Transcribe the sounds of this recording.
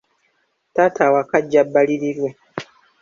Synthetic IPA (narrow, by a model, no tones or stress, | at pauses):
tatʰawakaɟːabːaliɾiɾwe